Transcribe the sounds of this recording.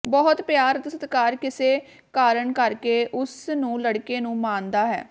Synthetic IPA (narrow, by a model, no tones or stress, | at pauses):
bɔːʊt̪pjaːɾt̪sət̪kaːɾkɪseː | kaːɾəɳkəɾkeːʔʊsnũːləɽkeːnũːmãːnd̪aːɦɛ̰ː